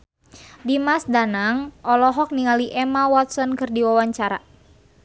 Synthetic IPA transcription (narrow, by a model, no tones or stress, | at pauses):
dimasdanaŋʔɔlɔɦɔk̚niŋaliʔɛmawɔt̪sɔnkɨrdiwawaɲt͡ʃaɾa̰